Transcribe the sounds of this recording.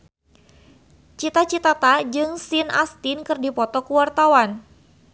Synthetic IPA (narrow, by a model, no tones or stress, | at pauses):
t͡ʃit̪at͡ʃit̪at̪ad͡ʒɨŋsina̰st̪ɪnkɨrdipɔt̪ɔkuwart̪awan